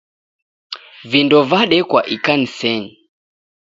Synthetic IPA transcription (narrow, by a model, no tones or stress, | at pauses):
vindɔvaɗɛkwaʔikanisɛɲi